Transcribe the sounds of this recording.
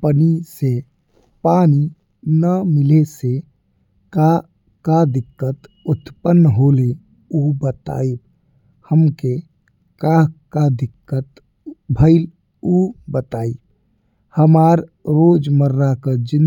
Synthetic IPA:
pənise | paːni | nəmɪlese | ka | kad̪ɪkːət̪ | ʊt̪pənːɦole | ubət̪a̰ːib | həmke | kakad̪ɪkːət̪ | bʱəɪl | ubət̪aːi | həmaːɾɾoːd͡ʒməɾːakəd͡ʒɪn

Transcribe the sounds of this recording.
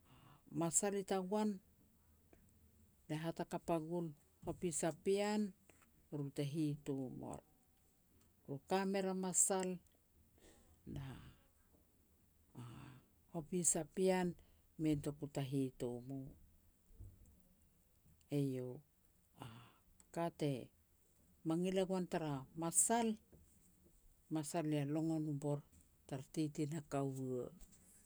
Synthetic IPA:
amasalitawan | daɦatakapaɡul | hopisapian | ɾutaɦitomo̰ɾ | ɾukame̞ɾamasal | da | hopisapian | mentokutaɦitomo | ejo | a | kate̞ | maŋilaɡuantaɾamasal | masalialo̞ŋo̞nubo̞ɾ | taɾatitinakawa

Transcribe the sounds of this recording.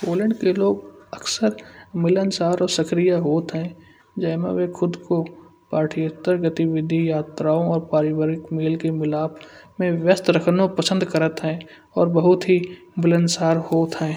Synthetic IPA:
poːlə̃ɳɖkeloːɡəksəɾmɪlənsaːɾɔːɾsəkɾijaɦoːt̪ɦɛ̃ | d͡ʒɛːmḛ̃ʋexʰʊd̪ko | paːʈʰijət̪əɾɡət̪iʋɪd̪ʱijaːt̪ɾaːõɔːɾpaːɾɪwaːɾɪkmeːlkemɪlaːbmẽʋjəst̪ɾəkʰnõpəsə̃nd̪kəɾət̪ɦɛ̃ː | ɔːɾbəɦʊt̪ɦi | mɪlənsaːɾhoːt̪ɦɛ̃ː

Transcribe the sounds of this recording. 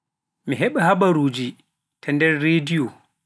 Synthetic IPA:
miɦɛɓahabaɾuːd͡ʒi | tʰandɛɾːedijo

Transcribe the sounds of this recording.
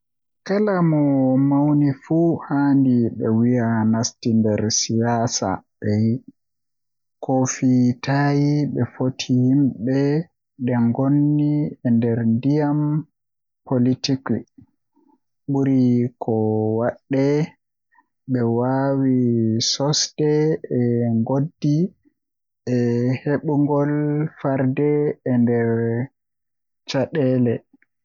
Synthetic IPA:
kalamɔmawnifuhaːndiɓɛwijanastindɛɾsijaːsa̰ɓɛji | kofitaːjiɓɛfotʰihimɓɛ | ɗɛŋɡonːiɛndɛɾndijam | politiki | ɓuɾikʰɔwaɗːɛ | ɓɛwawisɔsdɛɛŋɡodːi | ʔɛheɓuŋɡɔlfaɾdɛːndɛɾ | t͡ʃaɗɛlɛ

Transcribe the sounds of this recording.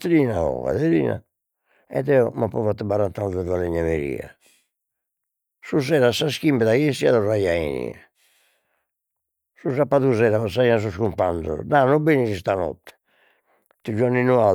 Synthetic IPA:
t̪ɾiːnaɔ̰ɣa̰ðeɾḭːna̰ | ɛ̰ðɛɔmapːɔvat̪ːɛbaɾant̪anðɛvalɛɲamḛɾḭːa̰ | suzɛːɾasːaskimbɛðaɣesiaðɔrːajaḛnḭɛ | suzapːaðuzɛːɾavasaianas̬uskumpandɔ̰nanɔbenisist̪anɔ̰t̪ːɛ̥ | t̪ud͡ʒɔɾninua

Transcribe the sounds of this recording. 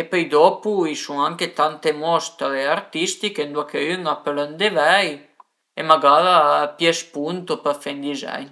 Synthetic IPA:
epœjd̪ɔpuisuŋaŋket̪ant̪emɔst̪aeaɾt̪ist̪ikend̪uakeyŋapølønd̪evɛj | emaɡaðapjɛspunt̪opəfɛnd̪izɛ̰jn

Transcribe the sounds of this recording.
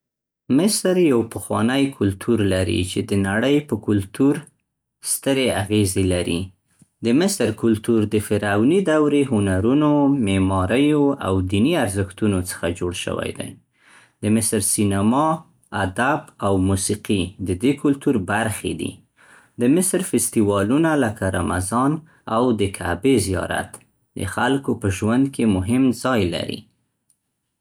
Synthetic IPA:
mɪsɾjawpəxwɑnəjkʰʊlt̪ʰuɾlaɾḭt͡ʃed̪ənaɽəjpəkʊlt̪uɾ | st̪əɾeaɣezelaɾḭ | d̪əmɪsɾkʊlt̪uɾd̪əfɪɾɑwnid̪awɾeɦʊnaɾunomemɑɾəjoa̰wd̪iniaɾzəxt̪unot͡sə̥xad͡ʒoɽʃə̰wa̰jd̪a̰j | d̪əmɪsɾsinamɑ | ad̪abawmusiqid̪əd̪ekʰʊlt̪uɾbaɾxḛd̪ḭ | d̪əmɪsɾfɪst̪iwɑlunaləkaɾa̰ma̰zɑn | awd̪əkʰa̰bezijɑ̰ɾa̰t̪ | d̪ə̰xalkopəʒwand̪kemʊɦɪmzɑjla̰ɾḭ

